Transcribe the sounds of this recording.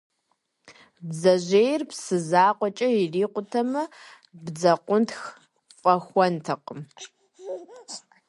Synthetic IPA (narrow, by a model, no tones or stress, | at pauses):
bzɐʑeːjrpsɨzaːqʷʼɔt͡ʃʼɐiriːqʷʊtʰɐmɐ | bd͡zɐqʷʼʊntx | fʼɐxʷɔntʰɐqʼəm